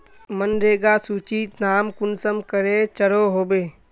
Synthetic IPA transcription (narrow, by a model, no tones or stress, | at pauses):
mənɾeːɡasuːt͡ʃiːt̪naːmkʊnsəmkəɾet͡ʃəɽoɦoːbeː